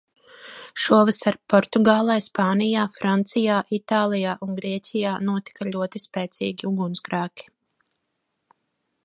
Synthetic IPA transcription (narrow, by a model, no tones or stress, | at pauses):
ʃuɔvəsaɾpɔɾt̪uɡaːlˠɛjspaːnijaːfɾant̪sijaːʔit̪aːlˠijaːʔunɡɾiɛcʲijaːnuɔt̪i̥kaʎʲuɔt̪ispɛːt̪sḭːɡʲiuɡunsɡɾaːkʲi̥